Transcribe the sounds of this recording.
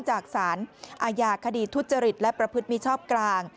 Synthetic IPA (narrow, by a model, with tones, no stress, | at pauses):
t͡ɕaː˨˩k̚saː˩˦nʔaː˧jaː˧kʰa˧diː˨˩t̪ʰːu˦˥t̪̚t͡ɕa˧ɾi˨˩t̪̚lɛ˦˥pɾa˧pʰɯ˦˥t̪̚miː˧˥t͡ɕʰɔː˥˩p̚klaː˧ŋ